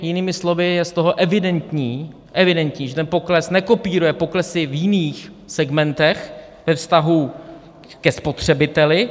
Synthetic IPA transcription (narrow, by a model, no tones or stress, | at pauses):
jɪniːmɪslo̞vɪjɛst̪o̞ɦo̞ʔɛvɪdɛnt̪ɲiː | ʔɛvɪdɛnt̪ɲiːʒɛt̪ɛnpo̞klɛsnɛkopiːɾujɛpo̞klɛsɪvjɪniːx | sɛɡmɛnt̪ɛx | vɛfst̪aɦu | kɛspo̞t̪r̝̥ɛbɪt̪ɛlɪ